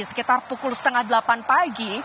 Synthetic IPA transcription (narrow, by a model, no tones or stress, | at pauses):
isə̥kit̪arpukʊlsə̥t̪əŋahdəlapanpaɡi